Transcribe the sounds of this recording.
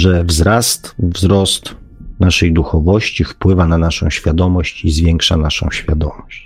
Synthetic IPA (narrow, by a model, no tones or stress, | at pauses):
ʐɛvzɾast̪vzɾɔst̪ | naʂɛjd̪uxɔvɔɕt͡ɕifpwɘvananaʂɔ̰̃w̃ɕfʲjad̪ɔmɔɕt͡ɕizvʲjɛŋkʂa̰naʂɔ̰̃w̃ɕfʲjad̪ɔmɔɕt͡ɕ